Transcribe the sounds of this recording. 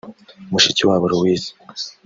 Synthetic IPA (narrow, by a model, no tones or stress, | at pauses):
muʃiciwaβuɾuwiːsi̥